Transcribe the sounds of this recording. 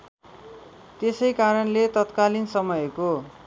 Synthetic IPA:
t̪esʌjkaɾʌnlet̪ʌt̪kalinsʌmʌjko

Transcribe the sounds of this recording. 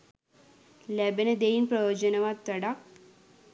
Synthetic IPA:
lɛbened̪einpɾɐjoːd͡ʒənɐʋat̪ːəɽak̚

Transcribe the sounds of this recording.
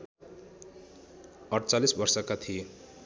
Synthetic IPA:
ʌʈt͡salisbʌrsʌkat̪ʰije

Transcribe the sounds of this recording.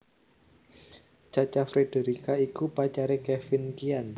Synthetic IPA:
t͡ʃat͡ʃafɾedeɾikaikupat͡ʃaɾekɛfɪnkian

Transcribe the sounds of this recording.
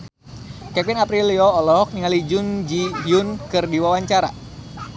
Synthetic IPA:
kɛpɪnapɾiliɔːlɔk̚niŋalid͡ʒʊnd͡ʒiɦiʊnkɨrdiwawaɲt͡ʃaɾa

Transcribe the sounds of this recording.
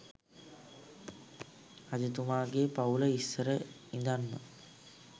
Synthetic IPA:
ad͡ʑut̪umaːɡepauləisːəɾə | ind̪anːə̰

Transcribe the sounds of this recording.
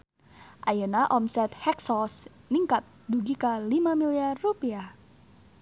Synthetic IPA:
ʔajənaʔɔmsɛt̪hɛksɔs | niŋkat̪̚duɡikəlimamiliarːupiah

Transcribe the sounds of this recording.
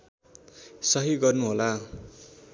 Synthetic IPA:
sʌɦiɡʌrnuɦola

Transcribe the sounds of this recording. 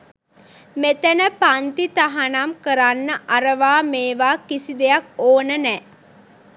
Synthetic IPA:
met̪ənəpant̪it̪aɦanamkəɾanːəʔaɾəʋaːmeːʋaːkisid̪ejakoːnənɛː

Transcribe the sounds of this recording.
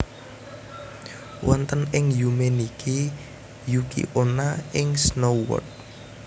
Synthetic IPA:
wʔɔnt̪ənɪŋjumenikʰi | jukḭʔonaʔɪŋsnowɔ̰t̪̚

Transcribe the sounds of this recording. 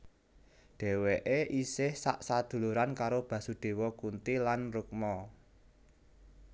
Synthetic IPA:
ɖ̥e̤weʔeʔisɪhsaʔsad̪̥ṳluɾankaɾob̥ä̤suɖ̪̥e̤wɔkunt̪ilanruk̚mɔ

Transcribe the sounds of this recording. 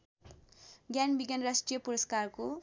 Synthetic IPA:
ɡjanbiɡjanrasʈrijʌpuɾʌskarko

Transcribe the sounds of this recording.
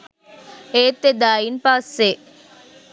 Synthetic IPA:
eːt̪ːed̪aːjinpasːe

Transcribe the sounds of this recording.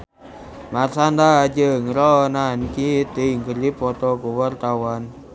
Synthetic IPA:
marsand̪ad͡ʒəŋɾɔnankit̪iŋkəlipɔt̪ɔɡuwərt̪awan

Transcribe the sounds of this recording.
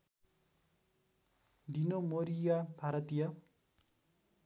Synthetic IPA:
d̪inomoɾijabʱaɾʌt̪ijʌ

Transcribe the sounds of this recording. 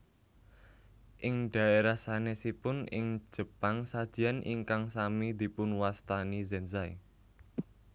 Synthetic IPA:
ʔɪŋɖ̥a̤eɾahsanesipʊnɪ̰ŋ̥ʒ̥ə̤paŋsad̥ʒ̥i̤anʔḭŋkaŋsamid̪̥i̤pʊnwast̪anizɛnzaḭ

